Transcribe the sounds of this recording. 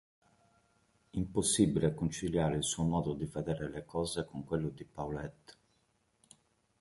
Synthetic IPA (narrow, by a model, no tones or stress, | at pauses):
imposːibilekont͡ʃiljaːɾeilsuomɔːd̪od̪ivɛd̪ɛːɾelekɔːzekoŋkwelːod̪ipaulet̪ː